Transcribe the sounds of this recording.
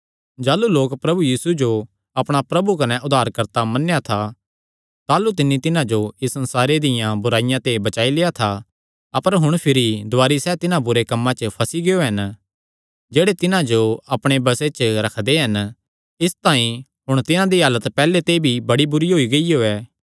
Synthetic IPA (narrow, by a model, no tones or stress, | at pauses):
d͡ʒaːluloːkpɾɐbujiːsud͡ʒo | ɐpɽ̃apɾɐbukɐnɛʔʊd̪ʱaːɾkɐɾt̪amɐnːejat̪ʰa | t̪aːlut̪ɪnːit̪ɪnãd͡ʒoɪsːɐ̃nsaːɾed̪ɪjãbʊɾaːɪjãt̪ebɐt͡ʃaːileːat̪ʰa | ɐpəɾɦʊɽ̃pʰɪɾid̪ʊaːɾisɛːt̪ɪnãbʊɾekɐmːãt͡ʃəpʰɐsiɡejoɦɐn | d͡ʒeːɽet̪ɪnãd͡ʒoɐpɽ̃ebɐset͡ʃəɾɐkʰd̪eɦɐn | ɪst̪ãːĩ | ɦʊɽ̃t̪ɪnãd̪iɦaːlət̪pɛːlet̪ebʱibɐɽibʊɾiɦoːiɡɐioːɛː